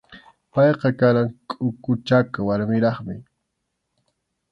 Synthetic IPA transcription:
pɑjqɑkaɾaŋkʼʊkʊt͡ʃakawaɾmɪɾɑχmɪ

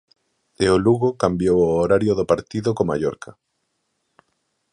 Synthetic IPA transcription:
eoluɣokambjowoːɾaɾjoðopaɾt̪iðokoma̰ʎɔɾkɐ

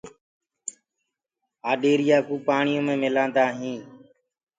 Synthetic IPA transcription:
aːɗeːɾɪjaːkuːpaːɳɪjõːmẽːmɪlãːnd̪aːɦĩː

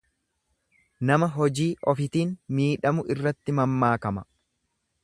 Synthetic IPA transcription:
nɐmɐɦɔd͡ʒiːʔɔfɪt̪iːnmiːᶑɐmʊʔɪrːɐt̪ːɪmɐmːaːkɐmɐ

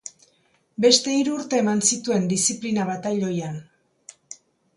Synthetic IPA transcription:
be̞st̪e̞iɾuːɾt̪e̞ːmansit̪ue̞nd̪isiplinaβat̪ajʎo̞jan

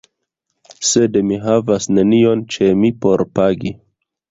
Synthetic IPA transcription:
se̞dmiɦavasne̞nio̞nt͡ʃe̞mipo̞ɾpaɡi

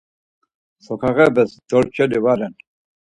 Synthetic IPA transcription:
sɔkʰaʁɛbɛsd̪̥ɔɾt͡ʃʰɛlivaɾɛn

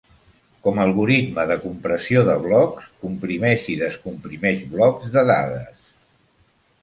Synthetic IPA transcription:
kɔməlˠɣuɾit̪məðəkumpɾəsioðəβlɔkskumpɾimɛʃiðəskumpɾimɛʃβlɔkzðəða̰ðə̰s

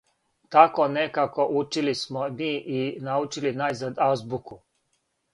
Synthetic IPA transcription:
t̪akonekakoʔut͡ʃilismomiːʔinaut͡ʃilinajzad̪azbuku

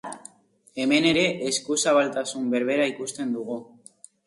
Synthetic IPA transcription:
e̞me̞ne̞ɾe̞ʔeskusaβalt̪asumbe̞ɾβ̞e̞ɾaikust̪e̞nd̪uɣu

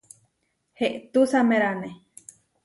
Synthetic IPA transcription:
heʔt̪usamẽɾane

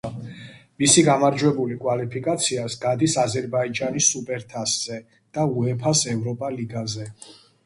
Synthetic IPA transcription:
misiɡamaɾd͡ʒwɛbulikʼwalipʰikʼat̪sʰiasɡad̪isazɛɾbaid͡ʒanisupʼɛɾt̪ʰasz̥ɛ | d̪̥auɛpʰasɛvɾɔpʼaliɡazɛ

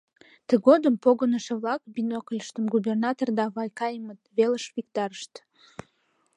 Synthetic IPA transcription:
t̪əɣod̪əmpoɣənəʃeβlɑkbinokəlʲəʃt̪əmɡubernɑt̪ord̪ɑβɑjkɑjəmət̪̚βeləʃβik̚t̪ɑɾəʃt̪

